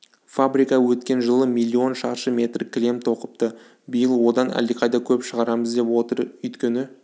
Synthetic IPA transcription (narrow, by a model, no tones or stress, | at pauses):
fabɾijkɑwɵt̪kʲe̞nʒəlˠəmilʲːio̞nʃɑɾʃəmʲe̞t̪rkʰʲlʲe̞mt̪ʰo̞qə̥p̚t̪ə | bijəlˠwo̞d̪ɑnæ̰liqʰɑjd̪ɑkʲʰɵpʃəʁɑɾɑməzd̪e̞pwo̞t̪əɾʏjt̪kʲenɪ